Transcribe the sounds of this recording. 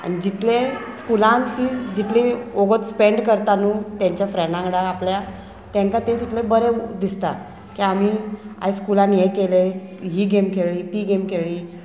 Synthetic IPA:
a̰ɽ̃id͡ʑit̪leskulãnt̪iːd͡ʑit̪leoɡət̪speɳɖkəɾt̪anuːt̪jaɲt͡ɕjafɾɛnãŋɽaːplja | t̪ɛ̃ŋkat̪et̪it̪lẽbəɾed̪ist̪a | kiam̤ia̰eskulãnjekeleɦiːɡemkʰeɭiːt̪iːɡemkʰeɭiː

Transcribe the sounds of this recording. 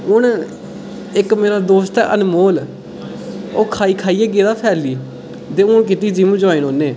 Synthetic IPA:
ʊɳ | ɪkmeːɾaːd̪oːst̪ɛ̰ːʔə̰nmoːl | oːkʰaːiːkʰaːiːɛːɡeːd̪aːpʰɛːliː | d̪eːʊɳk̬ɪt̪iːd͡ʒimũd͡ʒõːinoːneː

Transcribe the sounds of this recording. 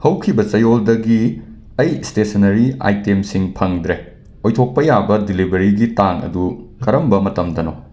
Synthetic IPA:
hɐwkʰibɐt͡ʃɐjoldɐɡi | ɐjstesɐnɐɾia̰jtemsiŋpʰɐŋdɾe | ojtʰok̚pɐjabɐdilibɐɾiɡitaŋɐ̰dukʰɐɾɐmbɐmɐtɐmdɐno

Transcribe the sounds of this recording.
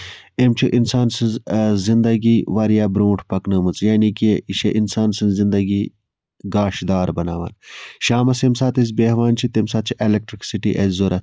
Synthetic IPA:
emt͡ʃʰuʔinsaːnsɨzzind̪ɐɡiːʋɐɾijaːbɾoːʈʰpɐknɨːmɨt͡sjaːnikeiʃeʔinsaːnsɨnzzind̪ɐɡiː | ɡaːʃd̪aːɾbɐnaːʋɐ̰ːnʃaːmɐsemsaːt̪ez̬beɦʋaːnt͡ʃʰit̪emsaːt̪̚t͡ʃʰiʔelek̚ʈɾiksiʈḭʔezzoɾɐt̪

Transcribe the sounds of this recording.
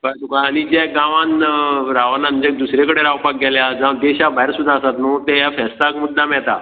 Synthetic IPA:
kat̪ukaːɽ̃id͡ʑɛɡãʋanɾaʋanãnd͡ʑek̚d̪usɾekəɽeɾaʋpak̚ɡɛljad͡zãd̪eɕabajɾsud̪ʱːaəsat̪not̪ɛjafɛst̪akmud̪ʱːamɛɭt̪a̰

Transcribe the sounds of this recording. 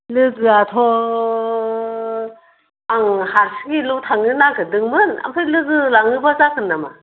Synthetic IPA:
lɯɡɯatʰɔ | aŋhaɾsɡilɯwtʰaŋɯnaŋkʰɯdɯŋmɯna̰mpʰɯjlɯɡɯlaŋɯbazakʰɯnːama̰

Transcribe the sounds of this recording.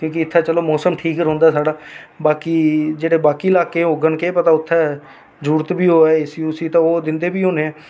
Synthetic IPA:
kjõːkiɪt̪ʰːãːt͡ʃəloːmɔːsəmʈʰiːkɾɦõːnd̪aːsaːɖaːbaːkiːd͡ʒeːɽeːbaːkiːɪlaːkeːoːɡənkeːpət̪aːʊt̪ʰːɛː | d͡ʒuːɾt̪biːɦoːɛːɪsiːʊsiːt̪ãːoːd̪ɪnd̪eːbiːɦoːneːɛ̃ː

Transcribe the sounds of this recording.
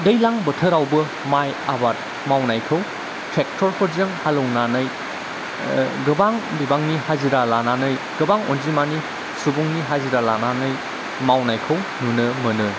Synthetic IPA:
dɐjlaŋbɯtʰəɾawbɐ | majabat̚ | mawnajkʰɯw | tʰɾek̚tʰɔɾpʰɯɾzɯŋhalownanɯj | ɡɯbaŋbibaŋnihaziɾalananɯj | ɡ̥ɯbaŋo̰nzimani | subuŋniɦaziɾalananɯj | mawnajkʰɯwnunɯmɐnɯ

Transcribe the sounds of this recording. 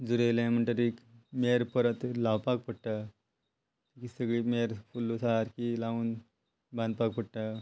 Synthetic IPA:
d͡zuɾel̃m̤əɳʈ̪aɾikmeɾpəɾət̪laʋpak̚pəɽʈa | kisəɡɭiːmeɾfulːosaɾkilaʋuːn | bãnd̪̚pak̚pəɽʈa

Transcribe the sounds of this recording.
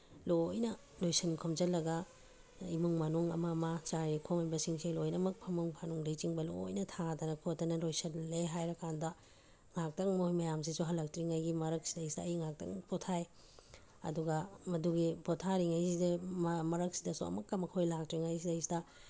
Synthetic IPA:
lojnɐ | lojsɐnkʰomd͡ʒɐlːɐɡɐ | imuŋmanuŋɐ̰mɐmɐt͡ʃaɾikʰomhajbɐsiŋselojnɐmɐk̚pʰɐmuŋpʰanuŋdɐjt͡ʃiŋbɐlo̰jnɐtʰatɐnɐkʰotːɐnɐlojsɐnleɦajɾɐkandɐ | ŋak̚tɐŋmojmɐjams̬isuɦɐlɐk̚tɾiŋajɡimɐɾɐk̚si̥dɐjsdɐːjiŋak̚tɐ̰ŋpotʰaj | ɐ̰duɡɐmɐduɡipotʰaɾiŋajsidemɐɾɐk̚si̥dɐsuɐ̰mɐkːɐmɐkʰojlak̚tɾiŋajsidɐjsidɐ

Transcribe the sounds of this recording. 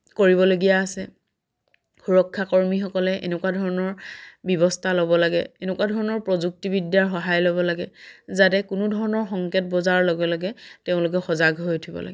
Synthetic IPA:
koɹibɔloɡijaːsɛ | xuɹɔkʰːakɔɹmixɔkɔlɛʔḛnɛkwadʱɔɹɔnɔɹbibɔstʰalɔbɔlaɡɛ̰enɛkwadʱɔɹɔnɔɹpɹɔzuk̚tibidjaɹxɔɦajlɔbɔlaɡɛzatɛkʊnʊdʱɔɹɔnɔɹxɔŋket̚bɔzaɹlɔɡɔlaɡɛteʊ̃lʊk̬ɛxɔzaɡɦojtʰibɔ̰la̰ɡɛ

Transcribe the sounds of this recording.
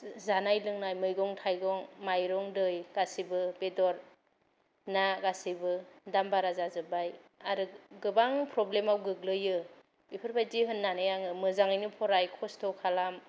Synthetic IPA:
zanajlɯŋnajmɯjɡɔŋtʰajɡɔŋmajɾɔŋdɯjɡ̥asibɯbedɔɾ | naɡasibɯdambaɾazazɯbajaɾɯɡɯbaŋpʰɾɔblemawɡɯɡ̚lɯjɯ | b̥ipʰɯɾbajdiɦɯnːanɯjaŋɯmɯzaŋɯjnɯpʰɔɾajkʰɔstʰɔkʰalam

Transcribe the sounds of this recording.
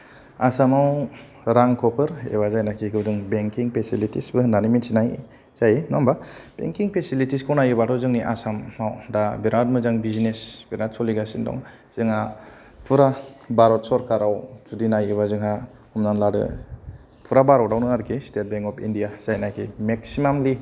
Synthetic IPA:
asamaw | ɾaŋkʰɔpʰɯɾḛβazajnakʰikʰɯwdɯŋbeŋkiŋpʰesilitisbɯnaniminsinaj | z̥ajenɔmbab̥ḛŋkiŋpʰesilitiskʰawnajebatɔzɯŋniʔa̰samawdabiɾat̚mɯzaŋbizinesbiɾat̚sɔliɡasindɔ̰ŋ | z̥ɯŋa | pʰuɾabaɾɔt̚sɔɾkaɾawtudinajeβazɯŋɦa | humnanladɯ̰ | pʰuɾabaɾɔwdawnɯaɾkʰistet̚beŋkɔpʰindijaz̥ajnakʰimek̚simamli

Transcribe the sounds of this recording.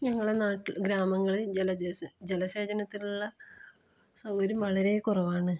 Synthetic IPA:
ɲɐŋːɐɭenaːʈːiɡɾaːmɐŋːɐɭelɐd͡ʑelɐse̞ːd͡ʑɐnɐt̪ːiluɭːɐ | sɐmoɾumɐɭɐɾe̞kurɐʋaːɳɨ

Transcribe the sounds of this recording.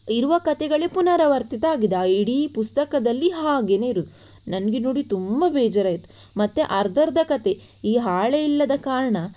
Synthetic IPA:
iɾuʋɐkɐt̪ɛɡɐɭepunɐɾɐʋɐɾt̪it̪ɐaːɡid̪aiɽipust̪ɐkɐd̪ɐlːiɦaːɡene̞iɾud̪u | nɐnɡenoːɽit̪umbɐbɛːd͡ʒɐɾɐːjit̪u̥ | mɐt̪ːeʔɐɾd̪ʱɐɾd̪ɐkɐt̪e̞ | iːɦaːɭeilːɐd̪ɐkaːɾɐɳɐ

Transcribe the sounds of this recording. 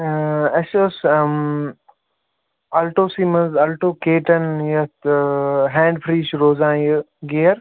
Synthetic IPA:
ɐʃos | ɐlʈoːsiːmɐnzɐlʈoːkeːʈɐnjɐt̪ɦɛ̃ːɳɖfʰɾiːʃɾoːzãːjə | ɡeːɾ

